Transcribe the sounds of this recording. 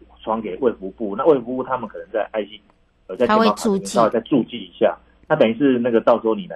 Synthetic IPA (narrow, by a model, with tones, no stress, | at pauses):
t͡sʰwɑ˧˥ŋke˨˩ɪwe˥˩ɪfu˧˥pu˥˨na˥˧we˥˩fu˧˦pu˥˩t̪ʰa˦˥mə˨nkʰɤ˨˩nə˧˦ŋt͡sa˥˧ɪʔa˥˩ɪɕi˦n | jo˨˩a˥˩˨e˧˥˨u˥˨˥we˧˩t͡sa˥˧ɪʈ͡ʂu˥˧t͡ɕi˥˩i˧˥ɕja̰˥˨ | na˥˩t̪ə˨ni˥nʂɻ̩˥˧na˥˩ɡə˩t̪ɑ˥˨˩ʊswɔ˥ni˨˩la˨˧